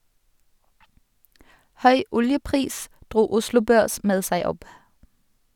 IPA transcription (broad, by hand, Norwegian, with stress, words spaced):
ˈhœʏ ˈʊljəˌpʁiːs ˈdʁuː ˈʊslʊ ˈbøːʁs ˈmeːd ˈsæɪ ˈɔp